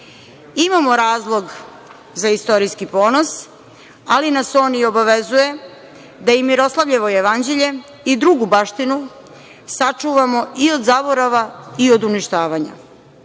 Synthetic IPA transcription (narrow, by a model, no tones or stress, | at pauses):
imamo̞ɾaːzlˠoɡ | zaist̪o̞ɾijskipo̞ːnos | alinaso̞ːnio̞baʋezuje̞ | d̪ajimiɾo̞slaʋʎeʋo̞jeʋand͡ʑeʎe | id̪ɾuɡubaʃt̪inu | sat͡ʂuːʋamo̞iod̪zaboɾaʋaio̞d̪uniʃt̪aːʋaɲa̰